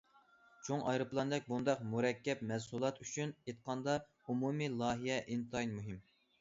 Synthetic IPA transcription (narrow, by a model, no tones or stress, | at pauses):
t͡ʃʰoŋɑjɾɨplˠɑnd̪ɛk̚ʲbund̪ɑqmuɾɛkʲːɛpmɛsulˠɑt̪yt͡ʃʰynet̪̚qʰɑnd̪ɑ | umumilˠɑːɦijɛʔint̪ʰɑjnmuɦim